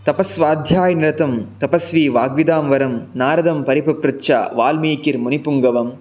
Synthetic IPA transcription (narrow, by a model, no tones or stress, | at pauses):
t̪ɐpɐsʋaːd̪ʱjaːjnɪɾɐt̪ɐmt̪ɐpɐsʋiːʋaːɡʋid̪aːmʋɐɾɐmnaːɾɐðɐmpɐɾipɐpɾɐt͡ʃa̰ːʋaːlmiːkɪɾmʊnipuŋɡɐʋɐm